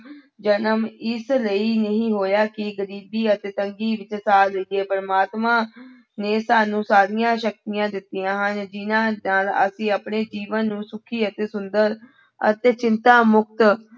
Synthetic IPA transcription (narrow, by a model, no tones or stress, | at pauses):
d͡ʒənəmɪsləiːnəɦĩːɦoːjaːkɪɡəɾiːbiːət̪eːt̪əŋɡiːʋɪt͡ʃsaːləieːpəɾəmaːt̪mãː | neːsaːnũːsaːɾĩjãːʃək̚t̪ɪjãːd̪ɪt̪ːɪjãːɦənd͡ʒɪnãːnaːlə̰sĩːaːpɳeːd͡ʒiːʋənːũːsʊkʰiːət̪eːsʊnd̪əɾ | ə̰t̪eːt͡ʃɪnt̪aːmʊk̚t̪